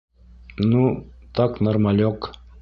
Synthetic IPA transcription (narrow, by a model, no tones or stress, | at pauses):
nut̪ɑknormɑlʲok